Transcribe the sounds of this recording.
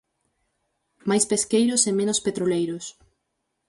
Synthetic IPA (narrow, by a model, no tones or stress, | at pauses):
majspeskejɾʊsemẽnʊspet̪ɾolejɾʊs